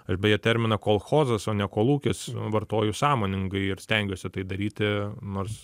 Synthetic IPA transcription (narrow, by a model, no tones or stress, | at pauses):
ɐʃbʲɛjɛt̪ʲɛɾʲmʲɪnɐkoːlˠxoːzɐsoːnʲɛkoːlˠuːkʲɪsʋɐrt̪oːjʊsɑːmoːnʲɪŋɡɐɪɪɾsʲt̪ʲɛŋʲɡʲoːsʲɪt̪ɐɪd̪ɐɾʲiːt̪ʲɪnoːɾs